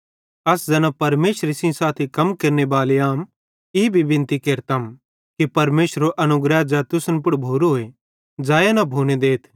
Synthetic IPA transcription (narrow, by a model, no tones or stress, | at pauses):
ɐsd͡zɐnapɐɾmeːʃɾisĩsaːt̪ʰikɐmkeːɾnebaːleaːm | ɪbʱibɪ̃nt̪ikeːɾt̪ɐm | kipɐɾmeːsɾoʔɐnʊɡɾɛd͡ʒɛt̪ʊsənpʊɽbʱoːɾoɦoe | d͡ʒaːjanɐbʱoːned̪eːt̪ʰ